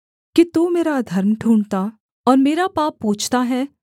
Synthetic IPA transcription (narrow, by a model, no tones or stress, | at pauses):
kit̪uːmeːɾad̪ʱɐɾmʈʰũːɳɖt̪aː | ɔːɾmeːɾapaːpːoːt͡ʃʰt̪aɦɛː